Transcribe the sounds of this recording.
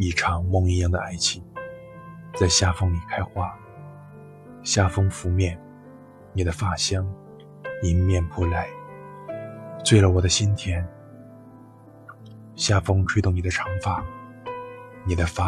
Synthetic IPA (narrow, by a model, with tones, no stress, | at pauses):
i˧˩ʈ͡ʂʰɑ˧˥ŋmʊ˥˧ŋi˧jɑ˥˩ŋd̪ə̰˩˨a˥˩ɪt͡ɕʰi˥˩ | t͡sa˥˧˩ɪɕja˥fɤ˥ŋni˨˩kʰa˥ɪxwa˥˩ | ɕja˥fɤ˥ŋfu˧˥mjɛ˥˩n | ni˨˩d̪ə˦fa˥˩ɕjɑ˥ŋ | ni˨˩mjɛ˥˧˩npʰɔ˥˩la˧˥ɪ | t͡swe˥˩ɪlə˩wɔ˨˩d̪ə˦ɕi˥nt̪ʰjɛ˥n | ɕja˥˩fɤ˥ŋʈ͡ʂʰwɪʊ˥˩ŋni˨˩d̪ə˦ʈ͡ʂʰɑ˧˥ŋfa˨˩˦ | ni˨˩d̪ə˦fa˥